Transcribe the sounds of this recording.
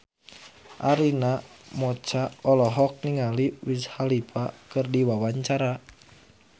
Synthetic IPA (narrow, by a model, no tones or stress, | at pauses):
ʔaɾinamɔt͡ʃaɔlɔɦɔk̚niŋaliwishalipʰakɨrdiwawaɲt͡ʃaɾa